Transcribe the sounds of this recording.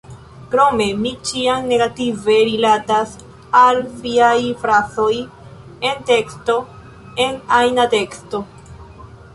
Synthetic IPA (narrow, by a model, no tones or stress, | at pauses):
kɾo̞me̞mit͡ʃiaŋne̞ɡative̞ɾilatas | alfiajfɾaso̞j | e̞nte̞ksto̞ | e̞najnate̞ksto̞